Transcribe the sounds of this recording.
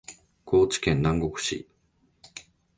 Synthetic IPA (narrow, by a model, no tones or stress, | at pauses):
ɡ̥o̞ːt͡ɕi̥kẽ̞nnãŋɡo̞kɯ̟̥ɕḭ